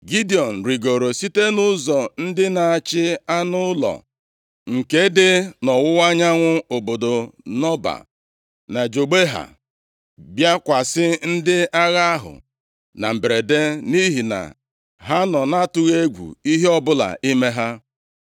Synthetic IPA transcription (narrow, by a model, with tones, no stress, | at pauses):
ɡi˦di˨ɔ˨n̩˨ɾi˨ɡo˨ɾo˨si˦te˦nʊ˦zɔ˨n̩˦dɪ˦na˨a˨t͡ʃɪ˦a˦nʊ˦lɔ̰˨ | ŋ̩˨ke˦dɪ˦nɔ˨wʊ˦wa˦ɲa˦ŋʷʊ˦o˨bo˨do˨nɔ˦ba̰˨ | na˨d͡ʒo˨ɡ͡be˦ɦa̰˨ | bja˦kʷa˨sɪ˦n̩˦dɪ˦a˦ɣa˦a˦ɦʊ̰˨ | na˨m̩˨bɾe˨de˦ni˦ɦi˨na̰˨ | ɦa˦nɔ˨na˦tʊ˦ɣe˦ɡʷṵ˨i˦ɦe˦ɔ˦bʊ˦la̰˨ʔi˦me˦ɦa˦